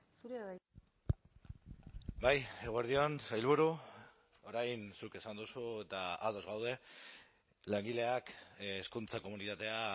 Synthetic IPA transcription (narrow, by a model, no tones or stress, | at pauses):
suɾeβa | baje̞ɣue̞ɾð̞ionsajlβ̞uɾu | oɾajnsuke̞sand̪usuet̪aaðo̞zɣawð̞e̞ | leŋɡile̞akːskunt͡sako̞munit̪at̪e̞a